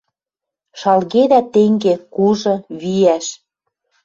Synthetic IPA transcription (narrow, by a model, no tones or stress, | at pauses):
ʃɑlɣed̪æt̪eŋɡekuʒɤ̆βijæʃ